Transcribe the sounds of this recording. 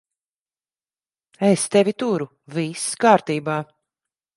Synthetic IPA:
ɛst̪ɛvʲit̪uɾu | viskaːɾt̪iːbaː

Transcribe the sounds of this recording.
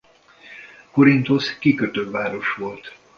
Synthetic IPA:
koɾint̪o̞skikøt̪øvaːɾo̞ʃʋo̞lt̪

